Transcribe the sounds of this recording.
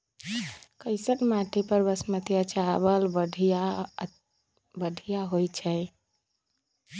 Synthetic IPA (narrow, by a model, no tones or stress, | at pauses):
kəɪsəʈmaʈʰipəɾbəsmət̪jat͡ʃabəlbəɖʱi | bəɖʱijaɦojt͡ʃʰɛɪ